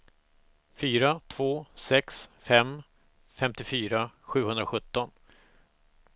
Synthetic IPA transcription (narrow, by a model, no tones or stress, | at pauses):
fyːɾat̪ʰvoːsɛksfɛm | fɛmt̪ɪfyːɾaɧʉ̟ːhɵnd̪ɾaɧɵt̪ːɔn